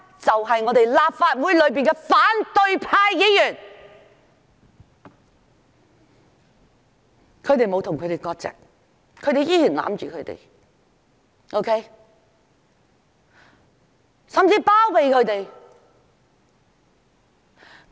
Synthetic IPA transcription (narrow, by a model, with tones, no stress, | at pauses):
t͡sɐ˨wɦɐ˨jŋɔː˨˧t̪e˨jlaː˨p̚faː˧t̚wu˨˥jlɵ˨˧ɥp̬iː˨nkɛ˧faː˨˥nt̪ɵ˧ɥpʰaː˧jki˨˥jyː˨˩n | kʰɵ˨˧ɥt̪e˨jmo˨˧wt̪ʰʊ˨ŋkʰɵ˨˧t̪e˨˩jkɔː˧k̚t͡sɛ̰ː˨k̚ | kʰɵ˨˧ɥt̪e˨jiː˥jyː˨˩nla̰ː˨˧˥mt͡ʃyː˨kʰɵ˨˧t̪ḛ˨˩j | ʔo˥wkʰe˥j | sɐ˨mt͡siː˧paː˥wpe˨jkʰɵ˨˧ɥt̪e˨j